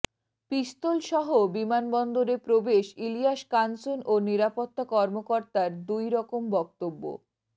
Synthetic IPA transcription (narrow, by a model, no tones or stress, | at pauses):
pist̪olʃɔɦobimanbɔnd̪oɾepɾobeʃilijaʃkansonʔoniɾapot̪ːakɔɾmokɔɾt̪aɾd̪ujɾɔkombɔk̚t̪obːo̰